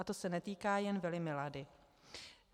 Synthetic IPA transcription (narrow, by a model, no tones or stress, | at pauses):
at̪o̞sɛnɛt̪iːkaːjɛnvɪlɪmɪladɪ